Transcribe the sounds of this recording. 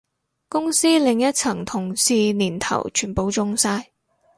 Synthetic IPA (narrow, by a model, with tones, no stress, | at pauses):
kʊ˥ŋsiː˥lɪ˨˧ŋjɐ˥t̚t͡sʰɐ˨˩ŋt̪ʰʊ˨˩ŋsiː˧niː˨˩nt̪ʰɐ̰˨˩wt͡ʃʰyː˨˩npo˨˧wt͡sʊ˧ŋsaː˧j